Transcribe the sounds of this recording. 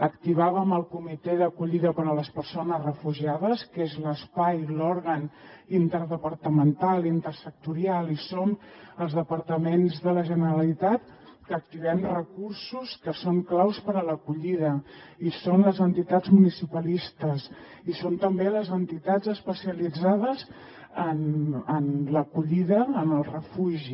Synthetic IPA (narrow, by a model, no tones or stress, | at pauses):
əkt̪iβaβəməlˠkumit̪ɛðəkuʎiðəpəɾələspəɾsonəzrəfuʒiaðəskezləspajlɔɾɣənint̪əɾðəpəɾt̪əmənt̪alˠint̪əɾsək̚t̪uɾialisonəlˠzðəpəɾt̪əmenzðələʒənəɾəlit̪at̪kək̚t̪iβɛmrəkuɾsuskəsoŋklawspəɾələkuʎiðəisonləzənt̪it̪ad͡zmunisipəlist̪əs | isont̪əmbeləzənt̪it̪azəspəsiəlid͡zað̞əs | ənənləkuʎiðəːnəlˠrəfuʒi